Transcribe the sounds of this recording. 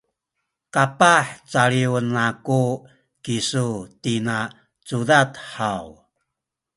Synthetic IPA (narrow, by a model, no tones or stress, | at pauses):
kapaħt͡saɭiwənaku | kisutina | t͡sudatħaw